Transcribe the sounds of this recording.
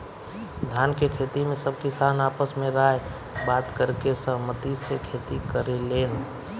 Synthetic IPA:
d̪ʱjankekʰet̪imẽsəbkɪsanaːpəsmẽɾae | baːt̪kəɾkesə̃mət̪isekʰet̪ikəɾeleːn

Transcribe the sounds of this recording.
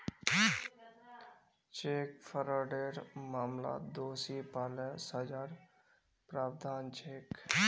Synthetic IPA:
t͡ʃeːkfʰəɾaːɖeːɾmaːmla̰ːt̪d̪oːsiːpaːlɛːsad͡ʒaːɾ | pɾaːbd̪ʱaːnt͡ʃeːk

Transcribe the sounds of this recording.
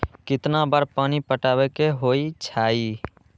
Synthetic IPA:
kɪt̪nabaːɾpaːnipəʈaːwekeɦoːit͡ʃʰaːiː

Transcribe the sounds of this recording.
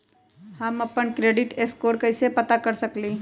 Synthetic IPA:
hɐmɐpənkɾeːɖɪʈeskoːɾkɐɪsepɐt̪akɐɾsɐkliː

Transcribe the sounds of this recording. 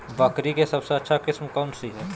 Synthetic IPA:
bɐkɾikesɐbseɐtːʃʰakɪsmkɔːnsiɦɛː

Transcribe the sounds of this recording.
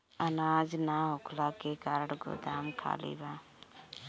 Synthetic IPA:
ənaːd͡ʒnaɦʊkʰlaːkekaːɾəɽɡo̰d̪aːmkʰa̰ːlḭːbaː

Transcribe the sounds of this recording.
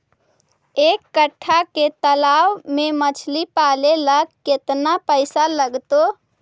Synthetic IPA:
eːkːəʈʰːaket̪əlaːwmẽmət͡ʃʰlipaːleləɡket̪napəɪsaləɡt̪o

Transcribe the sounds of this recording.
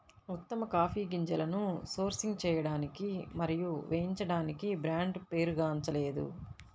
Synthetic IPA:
ut̪ːɐmɐkaːpʰiːɡiɲt͡ʃɐlɐnuso̞ːɾsiŋɡt͡ʃɛːjɐɽaːnikimɐɾijuʋʔejiɲt͡ʃɐɽaːnikibɾaːɳɖpe̞ːɾuɡaːɐɲt͡ʃɐle̞ːd̪ṵ

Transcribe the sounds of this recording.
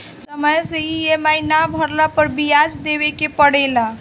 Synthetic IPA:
səməjsəiemainabʱəɾlapəɾbijad͡ʒd̪ebekepəɽɛla

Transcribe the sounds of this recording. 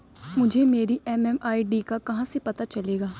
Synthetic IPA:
mʊd͡ʒʱemeːɾiʔɛmɛmaːiɖiːkakɐɦãsepɐt̪at͡ʃɐleːɡaː

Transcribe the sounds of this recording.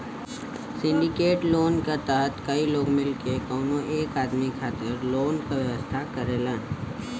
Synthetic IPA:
sɪ̃ɳɖɪkeːʈloːnkat̪aɦət̪kɐiloːɡmɪlkekoːnõʔeːkaːd̪mikʰaːt̪ɪɾloːnkaʋjəʋəst̪ʰakɐɾeːlãː

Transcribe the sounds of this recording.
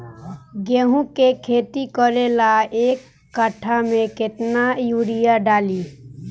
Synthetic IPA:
ɡeːɦũkekʰeːt̪ikɔlelaeːkː | əʈʰamẽkɪt̪najuːɾijaɖaːliː

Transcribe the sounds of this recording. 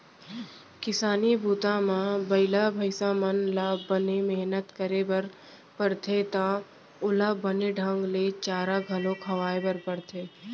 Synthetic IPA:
kɪsaːnibʱuːt̪ãmãbɐɪlabʱəɪsamənlabənemɛɦnət̪kəɾebəɾ | pəɾt̪ʰet̪a | ʊlabəneɖʱə̃ŋɡlet͡ʃaːɾaɡʱɐlõkʰɐʋaːebəɾpəɽt̪ʰeː

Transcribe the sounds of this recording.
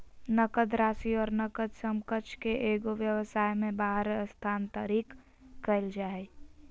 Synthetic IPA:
nəkəd̪ɾaːsiɔːɾnəkəd̪səmkət͡ʃʰkeʔeːɡoʋjəwəsaːjmẽbaːɦəɾəst̪ʰaːnt̪əɾiːkː | əɪld͡ʒaːe

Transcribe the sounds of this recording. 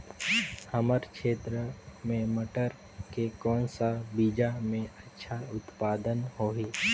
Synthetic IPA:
həməɾkʃeːt̪ɾəmẽməʈəɾ | kekɔːnsabiːd͡ʒamẽətːʃʰaʊt̪paːd̪ənhoːɦiː

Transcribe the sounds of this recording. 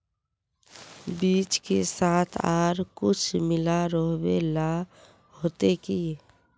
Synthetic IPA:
biːt͡ʃkesaːt̪ʰaːɾkʊt͡ʃʰmɪlaɾəɦwela | hoːt̪eki

